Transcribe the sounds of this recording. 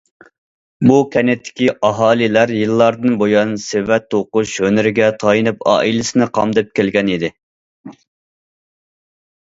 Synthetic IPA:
bukʲʰɛnɪt̪ʰːɪ̥kʲiʔɑɦɑːlˠilæɾjɨlˠːɑɾd̪ɨnbojɑnsevɛt̪ʰːoqʊʃhønɪɾɪɡʲɛt̪ʰɑjinɨpɑ̰ːʔilɪsɪnɪqʰɑmd̪ɨp̚kʲelɡʲɛnid̪ɪ

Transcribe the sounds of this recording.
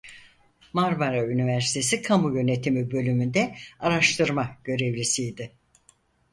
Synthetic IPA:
maɾmaɾaynivæɾsi̥t̪ʰe̞sikʰamujø̞ne̞t̪ʰimibø̞lʲymynd̪ɛaɾaʃt̪ʰɯɾmaɟ̥ø̞ɾe̞vlisijd̪ɪ

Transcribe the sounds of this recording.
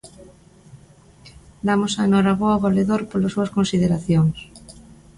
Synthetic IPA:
d̪amosaenoɾaβoaɣoleðoɾpolosuaskõnsið̞eɾaθjoŋs

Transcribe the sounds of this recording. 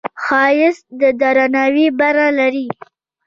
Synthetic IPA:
xɑjɪsd̪əd̪aɾanawibaɾalaɾi

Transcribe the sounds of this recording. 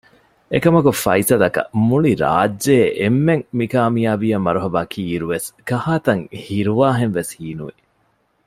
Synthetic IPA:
ekɐmɐkufɐ̰isɐlɐkɐ̰muliɾa̰ːdʒeːʔemːeŋmikaːmijaːʋijɐmːɐɾuɦɐbaːkʰiːɾuʋeskɐhaːt̪ɐŋhiɾuʋaːɦenʋeshiːnuʋi

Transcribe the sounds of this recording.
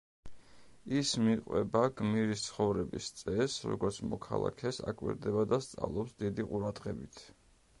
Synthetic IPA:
ismiqʼwɛ̰baɡmiɾist̪sʰχɔvɾɛbist̪sʼɛsɾɔ̰ɡɔɾt̪sʰmɔkʰa̰lˠa̰kʰɛsakʼwḭɾd̪ɛbad̪ast̪sʼa̰vlˠɔpsd̪id̪iqʼuɾad̪ʁɛbit̪ʰ

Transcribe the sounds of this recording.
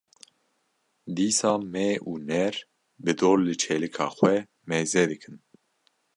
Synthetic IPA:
d̪iːsɑːmɛuːnɛɾ | bɨd̪oːɾlɨt͡ʃʰɛlɨkʰɑ̰ːxwɛ | mɛzɛd̪ɨkʰɨn

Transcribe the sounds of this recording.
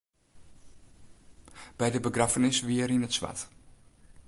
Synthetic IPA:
b̥ɛjdəbəɡrafənɪsʋiərinətsʋa̰t

